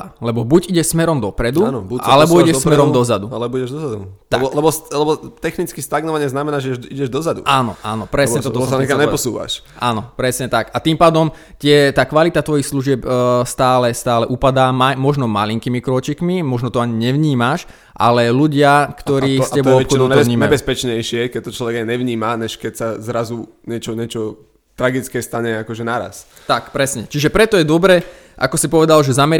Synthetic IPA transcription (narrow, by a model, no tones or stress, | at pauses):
lɛbɔbuɟiɟɛʃsmɛɾɔmd̪ɔpɾɛd̪unbuʔalɛbɔiɟɛʃsmɛɾɔmd̪ɔzad̪ualɛbɔiɟɛʒd̪ɔzad̪ṵt̪abɔlɛbɔslɛbɔt̪ɛxnit͡skist̪aɡnɔʋaɲɪɛznamɛnaːʒɛiɟɛʒd̪ɔzad̪ṵʔaːnɔ̰ʔa̰ːnɔpɾɛsɲɛt̪ɔɔsɛkaɲɛpɔsṵːʋa̰ʃ | ʔaːnɔpɾɛsɲɛt̪akat̪iːmpaːd̪ɔm | t̪ɪɛt̪aːkʋalit̪at̪ʋɔjixsluʒɪɛpst̪aːlɛst̪aːlɛʔupad̪aːmamɔʒnɔmaliŋkimikɾɔt͡ʃikmimɔʒnɔt̪ɔaɲiɲɛʋɲiːmaʃ | ʔa̰lɛluɟɪakt̪ɔɾiːstɛb̪ɔɔpxɔd̪ɔɔvɲiːmɛɛspɛt͡ʃɲɛjʃɪɛkɛc̚t̪ɔt͡ʃlɔʋɛɡaɲɛʋɲiːmaɲɛʃkɛcsazɾazu | ɲɛt͡ʃɔɲɪɛt͡ʃɔ | t̪ɾaɡit͡skɛst̪aɲɛakɔʒɛnaɾa̰s | t̪akpɾɛsɲɛt͡ʃiʒɛpɾɛt̪ɔjɛd̪ɔbɾɛ | ʔa̰kɔsipɔʋɛd̪alʒɛzamɛ